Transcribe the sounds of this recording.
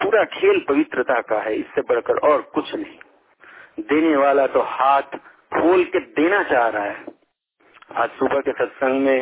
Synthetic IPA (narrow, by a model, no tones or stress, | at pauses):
puːɾakʰeːlpɐʋɪt̪ɾət̪akaɦɛɪsːebɐɽ̤kəɾɔːɾkʊt͡ʃʰnəɦĩ | d̪eːneʋaːlat̪ohaːt̪ʰ | pʰoːlked̪eːnat͡ʃaːɦɾaaɦɛ | a̰ːd͡ʒsubəkesət̪sə̃ŋɡmẽ